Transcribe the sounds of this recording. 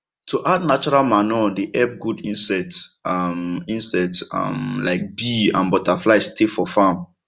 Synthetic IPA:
tʰuʔad̚nat͡ʃɔɹalmanɔdeʔɛp̚ɡudĩnsɛtmĩnsɛta̰mlaɪk̚biã̰nbɔtaflaɪstʰefɔfãm

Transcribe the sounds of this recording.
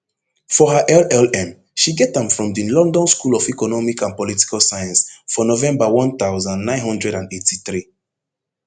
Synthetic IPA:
fɔɦaʔɛlɛlɛ̃m | ʃiɡɛtãmfɹɔ̃mdilɔ̃ndɔ̃nskulɔfikɔnɔmikãnpɔliti̥kalsajãnsfɔnovɛ̃mbawɔ̃nt̪aʊzãnnãɪ̃nɦɔ̃ndɹɛɾãnetiθɹi

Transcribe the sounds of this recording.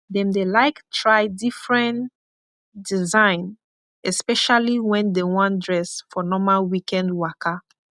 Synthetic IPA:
dɛ̃mdelaɪktʰɹaɪdifɹɛ̃n | dizãɪ̃n | ɛspɛʃaliwɛ̃ndewɔ̃ndɹɛsfɔnɔmalwikɛ̃ndwakʰa

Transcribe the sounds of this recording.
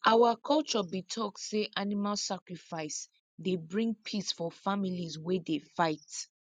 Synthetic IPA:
ʔawakʰɔlt͡ʃɔbitʰɔk̚seʔanimalsakɹifaɪs | debɹĩŋɡ̚pʰisfɔfamilizwedefaɪt

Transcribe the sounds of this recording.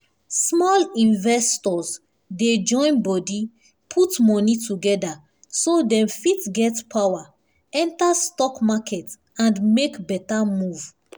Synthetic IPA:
smɔlĩnvɛstɔz | ded͡ʒɔ̃ɪ̃nbɔdi | pʰutmɔnituɡɛda | sodɛ̃mfitɡɛtpʰawa | ɛ̃ntastɔkmakʰɛt | ãndmekbɛtamuv̥

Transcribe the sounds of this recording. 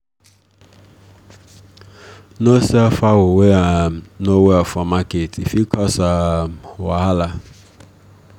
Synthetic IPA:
nosiafawʊweanoweafɔmaketʰifikʰɔsawaɦala

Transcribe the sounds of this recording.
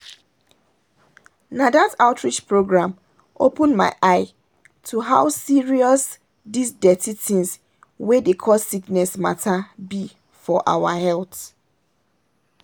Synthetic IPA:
nadataʊtʰɹit͡ʃpɹoɡɹãm | ʔopə̃nma̰ɪʔaɪ | tʰuɦaʊsiɹiɔs | disdɛtitĩŋs | wedekʰɔssiknɛsma̰tʰabi | fɔʔa̰wahɛlˠt

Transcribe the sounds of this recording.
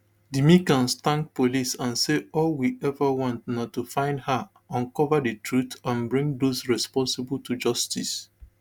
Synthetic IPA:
dimikãnstãŋk̚polisãnseɔlwiʔɛvəwɔ̃ntnatːufãɪ̃ndha | ãnkɔvədətʰɹutãnbɹĩŋdosɹɛspɔ̃nsɪbl̩tʰud͡ʒɔstis

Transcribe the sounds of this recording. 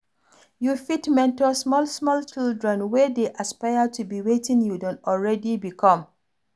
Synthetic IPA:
jufitmɛ̃ntɔsmɔlsmɔlt͡ʃildɹɛ̃nwɛdeʔaspaɪətubiwetĩŋjudɔ̃ntɔlɹɛdibikʰɔ̃m

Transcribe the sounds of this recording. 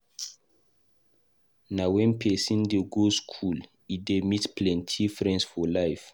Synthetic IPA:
nawɛ̃npʰɛsĩndeɡoskʰul | idemitplɛ̃ntʰifɹɛ̃nsfɔlajf

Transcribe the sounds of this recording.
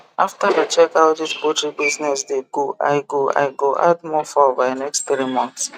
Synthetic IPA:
aftadət͡ʃɛkawtid͡ʒpɔtɹibiznɛsdeɡ̥oʔa̰ɪɡoa̰ɪɡoʔa̰d̚mɔfɔvanɛksttɾimɔ̃nθs

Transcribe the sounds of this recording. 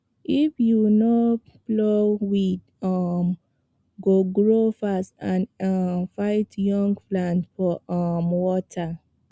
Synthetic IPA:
ifjuno | blowid | ɔm | ɡoɡɹofastãnfaɪtjɔ̃ŋɡflãntfɔmwɔtʰa

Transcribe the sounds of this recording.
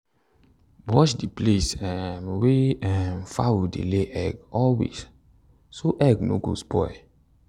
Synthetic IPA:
wɔʃdiplesɛ̃nweɛfa̰widḛleʔɛɡɔlwḛs | soʔɛɡno̰ɡo̰spɔj

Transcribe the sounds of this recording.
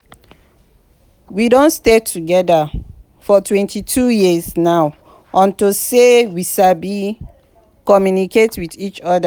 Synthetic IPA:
widõntstetʰuɡɛda | fɔtʰwɛ̃ntitʰujiəznaʊ | ʔɔ̃ntosewiʃabi | kɔmjuniketwiθit͡ʃɔda

